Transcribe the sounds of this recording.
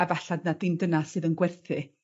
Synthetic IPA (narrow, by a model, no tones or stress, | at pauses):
avaɬadnadɪmdənasɨːðənɡwɛrθɨ